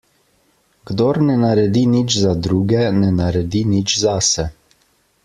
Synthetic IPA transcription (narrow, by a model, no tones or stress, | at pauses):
ɡd̪oːɾnɛnaɾɛd̪init͡ʃzad̪ɾuːɡɛnɛnaɾɛd̪init͡ʃzasɛ